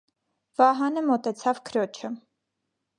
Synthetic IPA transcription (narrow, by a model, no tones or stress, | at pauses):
vɑɦɑnəmɔt̪ɛt͡sʰɑvkʰəɾɔt͡ʃʰə